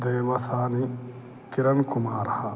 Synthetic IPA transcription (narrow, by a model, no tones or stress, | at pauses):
d̪eːʋɐsaːni | kiɾɐnkumaːɾɐha